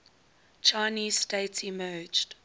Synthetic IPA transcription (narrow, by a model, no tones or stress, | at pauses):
t͡ʃʰaɪniːzsteɪtsimɜːd͡ʒd̥